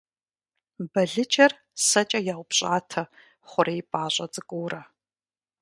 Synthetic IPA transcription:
bɐɮɨt͡ʃʼɐr | sɐt͡ʃʼɐjaːwʷʊpɕʼaːtʰɐ | χʷʊɾejpʼaːɕʷʼɐt͡sʼɨkʷʼuːrɐ

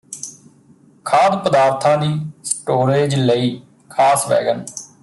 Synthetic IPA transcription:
kʰaːd̪pəd̪aːɾt̪ʰãːd̪iːsʈoːɾeːd͡ʒləiː | kʰaːsʋɛ̰ːɡən

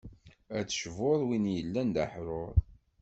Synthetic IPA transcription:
ædʃvʊɾˤwinjəlːænd̪aħɾˤoɾˤ

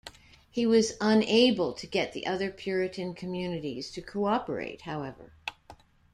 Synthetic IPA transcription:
hiwʌzə̃neɪbəl̩ˠtʰɨɡɛt̪̚ðḭʔʌðə˞pʰj̥ʊɹɨɾɨ̃nkʰɨmjʉnɨɾiz̥tʰɨkʰoɑpə̰˞ḛɪt̚haʊɛvə̰˞

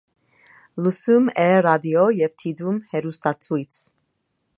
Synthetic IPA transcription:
lusumɛɾad̪iɔjɛvt̪ʰid̪umhɛɾust̪at͡sʰujt͡sʰ

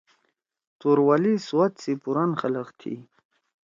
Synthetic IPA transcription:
t̪oɾwaliswat̪sipuɾanxalaqt̪ʰḭ

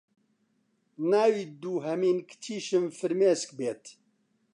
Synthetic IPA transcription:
naːwid̪uːɦɐmiːnkt̪ʰiːʃɨmfɨɾmeːskbeːt̪

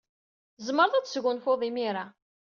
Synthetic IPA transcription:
zˤməɾˤðˤæt͡sːə̥sʝʊnfoðˤimiɾa

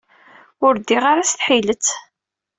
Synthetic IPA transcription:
ʊɾd̪iʁaɾasθħilət͡sː

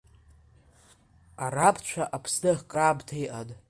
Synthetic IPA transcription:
arapʰt͡ɕʷʰaʔapʰsdɨχkʼrabtʰajʔadʼ

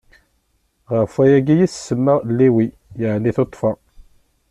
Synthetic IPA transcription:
ʁəfæjæɡijissəmːəʁlːiwi | jəʕniθot̪ˤːfɑ

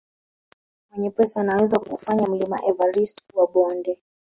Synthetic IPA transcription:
mwɛɲɛpɛsanawɛzakuufaɲam̩lima̰ʔɛvaɾistkuwaɓɔndɛ

